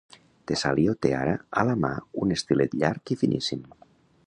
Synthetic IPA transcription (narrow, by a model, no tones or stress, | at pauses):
t̪esaliot̪ea̰ɾaalama̰unest̪ilet̪ʎaɾkifinʔḭsin